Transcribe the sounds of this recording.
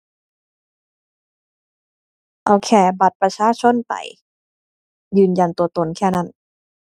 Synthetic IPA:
ʔo˧˩kʰɛː˧˩ba˨˩t̪̚pɾa˧t͡ɕʰaː˧˥˨t͡ɕʰo˧˥˨nt̪a̰˨˩j | jɯː˨˧nja˧nt̪u˧ɐt̪o˧˨nkʰɛː˥˩na˦˥˩n

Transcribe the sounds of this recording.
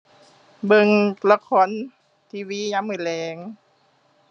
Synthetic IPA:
bɤ˧˨ŋla˧kʰɔː˧˥˨n | t̪ʰiː˧wiː˧˥˨ɲa˧˥˨mɯː˧˩lɛː˨˦ŋ

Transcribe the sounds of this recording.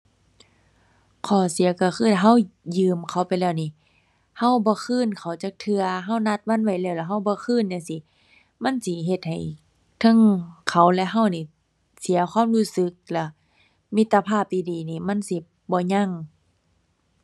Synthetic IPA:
kʰɔː˨˩si˨˦ɐka˧˩xʰɯː˧˥˩a˧˩ɦa˧˥˩wjɯː˧mkʰa˧˩wpa˨jlɛː˧˩wniː˧˨ | ha˧˥˨wbɔː˧˦kʰɯː˧˥˨nkʰa˨˩wt͡ɕaː˧˦k̚t̪ʰɯ˧ɐɦa˧˩˨wna˧t̪̚wa˧˥˨nwa˧˩jlɛː˧˩˨wlɛ˧˩ɦa˧˩˨wbɔː˧˦kʰɯː˧˥˨nja˧ŋsi˧˦ | ma˧˥˨nsi˧˦ɦe˧˦t̪̚ha˨˩j | t̪ʰa˧˥˨ŋkʰa˨˩wlɛ˧ɦa˧˨wniː˧˩ | si˨˦ɐkʰwaː˧˥˨mluː˧˥˨sɯ˧˦k̚lɛ˧˩ | mi˧˦t̪ːa˧pʰaː˧˩˨p̚t̪iː˧diː˨˦niː˧˩ma˧˥˨nsi˧˦ | bɔː˧˦ɲa˧˥˨ŋ

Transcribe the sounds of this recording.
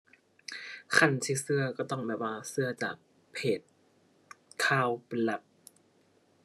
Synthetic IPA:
kʰa˧˩nt̪ʰiː˧˩sɯ˧˥˩ɐkɔː˧˩t̪ɔ˧˥˩ŋbɛː˨˩waː˧sɯ˧ɐt͡ɕaː˨˩k̚ | pʰeː˨˩t̪̚ | kʰaː˧˩wpe˧nla˧˦˩p̚

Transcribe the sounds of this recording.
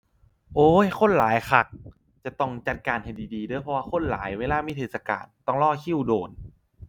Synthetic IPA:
ʔoː˨˧˩jxʰo˧˥˨nlaː˨˦jxʰa˨˩k̚ | t͡ɕa˨˧˩t̪ɔ˧˩ŋt͡ɕa˨˩t̪̚kaː˧˩nha˧˩jdiː˨˩diː˨˧dɤː˧˩jpʰɔ˧waː˧˩xʰo˧˥˨nla̰ː˨˦jweː˧laː˧˥˩miː˧˥˩e˧˩sa˧ka̰ː˨˩nt̪ɔ˧˥˩ŋlɔː˧˥˩kʰi˧˥˩wdoː˨˩n

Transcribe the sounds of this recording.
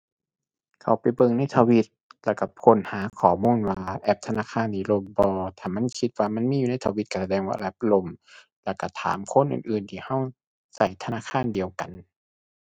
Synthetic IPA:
kʰa˨˩wpa˨jbɤ˧˨ŋna˧˥˩jt̪ʰaː˧wi˧t̪̚lɛː˧˩ka˧˩pʰo˧˥˨nhaː˨˦kʰɔː˨˩˦muː˧˥˨nwaː˧ʔɛ˧˦p̚t̪ʰa˧naː˧˥˨kʰaː˧˥˨nːiː˧˩lo˧˩mbɔː˧t̪ʰaː˧˨˩ma˧˥˨nkʰi˧t̪̚waː˧ma˧˥˨nmiː˧˥˨juː˨a˥˩jt̪ʰaː˧wi˧˦t̪̚ka˧˩sa˧dɛː˧˩ŋwaː˧˩lɛ˧˦p̚lo˧m | lɛː˧˩ka˧˩t̪ʰa̰ː˨˦mkʰo˧˥˨nʔɯ̰ː˨nʔɯː˨˩nt̪ʰiː˧ha˧˥˩w | sa˧˩jt̪ʰa˧naː˧˥˨kʰaː˧˥˨ndi˨əwka˨n

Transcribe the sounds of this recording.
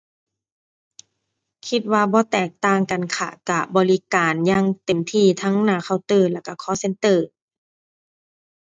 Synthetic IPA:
kʰi˧t̪̚waː˧bɔː˧˦t̪ɛː˨˩k̚t̪aː˧˩ŋka˨nkʰa̰˧˩ka˧˩bɔː˨li˧kaː˨˩njaː˧˥ŋt̪e˨˩mt̪ʰiː˧˩t̪ʰa˦˥ŋnaː˧˩ka˧˩wt̪ɤː˧˩lɛ˧˩wka˧˩kʰɔː˧˦se˧˦nt̪ɤː˧˩

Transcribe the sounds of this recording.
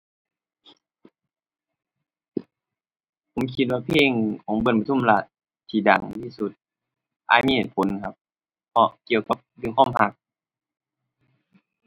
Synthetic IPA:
pʰo˨˦mkʰi˧t̪̚waː˧pʰeː˧˥˩ŋkʰɔː˨˦ŋbɤ˧˩˨npa˧t̪ʰu˧˥˨mla˧˩t̪̚ʰː | iː˧˩da̰˨˩ŋt̪ʰiː˧˨su˧˦t̪̚ | ʔa̰˧t̪̚miː˧˥˨heː˨˩t̪̚pʰo˨˦nkʰa˧p̚ | pʰːɔ˧ʔki˧˨əwka˧˦p̚jɯː˧˨ŋkʰɔː˧˥˨mɦa˧p̚

